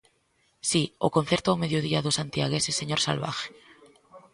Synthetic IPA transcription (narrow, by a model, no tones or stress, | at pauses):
sio̰ko̞n̟θje̞ɾt̪oawme̞ðjoðiaðosant̪jaɣ̞e̞sesːe̞ɲoɾsa̰lβa̰xe̥